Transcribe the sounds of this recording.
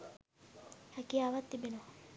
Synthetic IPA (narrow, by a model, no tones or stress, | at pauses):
hɛkiəaʋat̪ːibenoʋa